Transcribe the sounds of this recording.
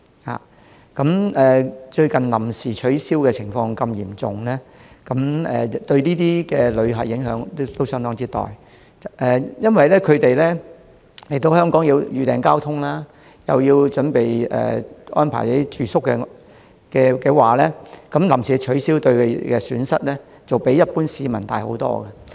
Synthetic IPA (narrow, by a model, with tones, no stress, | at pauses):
ha̰ː˨ | kɐ˨˥mɛː˨t͡ʃɵ˧ɥkɐ˨nlɐ˨˩msiː˨˩t͡ʃʰɵ˨˥siː˥wkɛː˧t͡sʰɪ˨˩ŋfɔː˧ŋkɐ˧mjiː˨˩mt͡sʊ˨˩ŋlɛː˥kɐ˨˥mɛ̰ː˨˩˨t̪ɵ˧ɥniː˥t̪iː˥kɛː˧lɵ˨˧ɥɦɐ˨t̚jɪ˨˥ŋɦœː˨˥ŋt̪t̪o˥wsœː˥ŋt̪ɔː˥ŋt͡siː˥t̪ɔ̰ː˨˩j | ʔɛː˨jɐ˥nwɐ˨jlɛː˥kʰɵ˨˧ɥt̪e˨jlɛː˥ | le˨˩jt̪o˧whœː˥ŋkɔː˨˥ŋjiː˧wjyː˨t̪ɛː˨ŋkaː˥wt̪ʰʊ˥ŋlaː˥ | jɐ˨wjiː˧wt͡ʃɵ˨˥npe˨jɛ̰ː˨˩ʔɔ̰ː˥npʰa̰˨˩jlɐ˥t̪i˥t͡ʃyː˨sʊ˥kːɛ˧ | kɛː˧kɛ˧waː˨lɛː˥kɐ˨˧˥mlɐ˨˩msiː˨˩˥t͡ʃʰɵ˨˥ɥsiː˥wt̪ɵ˧ɥkʰkɛː˧syː˨˥nsɐ˥t̚lɛː˥ | t͡sɐ˨wpe˨˥jːɐ˥t̚puː˥nsiː˨˧mɐ˨˩nt̪aː˨jho̰˨˥wt̪ɔ̰ː˥ɡɐ˨